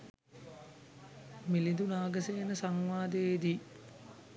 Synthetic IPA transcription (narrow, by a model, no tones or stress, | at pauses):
milid̪unaːɡəseːnəsaŋʋaːd̪eːd̪i